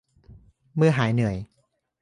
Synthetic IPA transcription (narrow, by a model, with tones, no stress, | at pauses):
mɯ˥˧˩ɐɦaː˩˦jnɯ˩˦əj